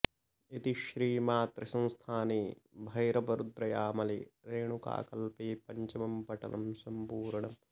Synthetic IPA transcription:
it̪iʃɾiːmaːt̪ɾɐsɐ̃w̃st̪ʰaːniːbʱɐjɾɐbɐɾud̪ɾɐjaːmɐliɾeːɳuka̰ːkɐlpeːpɐɲt͡ʃɐmɐmpɐʈɐ̰nɐ̰msɐmpuːɾɐɳɐm

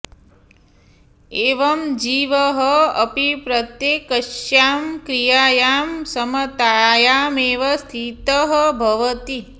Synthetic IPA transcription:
eːʋɐmd͡ʒiːʋɐɦəɐ̰pipɾɐt̪jeːkɐʃjaːmkɾijaːjaːmsɐmɐt̪aːjaːmeːʋɐst̪ʰit̪ɐɦəbʱɐʋɐt̪i

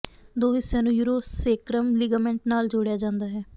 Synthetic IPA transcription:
d̪oːɦɪsːẽːnũːjuːɾoːseːkɾəmliːɡaːmɛ̃ːɳʈnaːld͡ʒoːɽejaːd͡ʒãːnd̪aːɦɛː

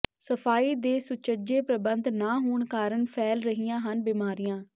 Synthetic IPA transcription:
səpʰaːiːd̪eːsʊt͡ʃəd͡ʒeːpɾəbənd̪naːɦoːɳkaːɾəɳpʰɛːlɾəɦijãːɦənbiːmaːɾijãː

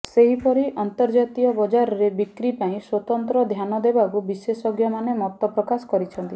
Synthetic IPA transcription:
seɦipɔɾiʔɔnt̪ɔɾd͡ʒat̪iɔbɔd͡ʒaɾɔɾebikɾipaĩswɔt̪ɔnt̪ɾɔd̪ʱjanɔd̪ebakubisesɔɡjɔmanemɔt̪ɔpɾɔkasɔ̥kɔɾit͡ʃʰɔnt̪i

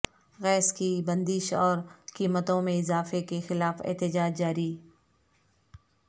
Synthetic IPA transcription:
ɣɛːskibɐ̃nd̪ɪʃɔːɾkiːmət̪õmẽɪzaːfekexɪlaːfɪ̰ɦt̪ɪd͡ʒaːd͡ʒd͡ʒaːɾi

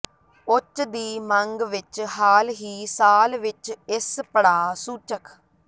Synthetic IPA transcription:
ʊt͡ʃd̪iːmə̃ŋɡʋɪt͡ʃɦaːlɦiːsaːlʋɪt͡ʃɪspəɽaːsuːt͡ʃəkʰ

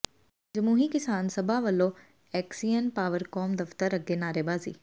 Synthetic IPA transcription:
d͡ʒɐmuːɦikɪsaːnsɐbʱaʋɐlːo | ɛːksijənpaːʋəɾkɔːmd̪ɐft̪əɾɐɡenaːɾebaːzḭː

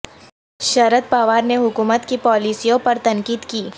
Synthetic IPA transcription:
ʃɐɾəd̪̚paːʋaːɾneɦʊkuːmət̪kipɔːliːsijõpɐɾt̪ɐ̃ŋkiːd̪kiː

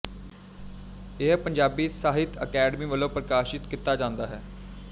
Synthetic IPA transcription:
ɪɦpəɲd͡ʒaːbiːsaːɦɪt̪əkɛːɖəmiːʋəlõːpɾəkaːʃɪt̪kɪt̪ːaːd͡ʒãːnd̪aːɦɛː

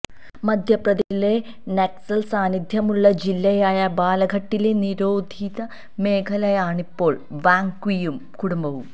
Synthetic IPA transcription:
mɐd̪ʱjɐprɐðile̞ | neksɐlsaːnid̪ʱjɐmuɭːɐd͡ʑilːɐjaːjɐbaːlɐɡʱɐʈːile̞niɾo̞ːd̪ʱiðɐ | me̞ːkʰɐlɐjaːɳipːo̞ːɭʋaːŋkwijumkuɽumbɐʋum

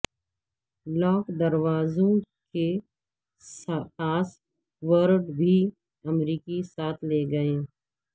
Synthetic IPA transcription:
lɔːkd̪ɐɾwaːzõke | spaːs | ʋəɾɖbʱi | ɐmɾiːkisaːt̪ʰleːɡɐẽː

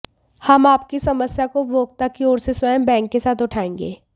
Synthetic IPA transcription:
hɐmaːpkisɐməsjakobʱoːɡ̚t̪akioːɾseswəjəmbɛ̃ːŋkːesaːt̪ʊʈʰaːẽːŋ̆ɡḛː

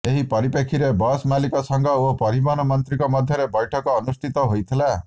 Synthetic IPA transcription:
eɦipɔɾipekʰiɾebɔsmalikɔsɔŋɡɔopɔɾibɔnɔmɔnt̪ɾikɔmɔd̪ʱjɔɾebɔjʈʰɔkɔːnust̪ʰit̪ɔɦojt̪ʰila

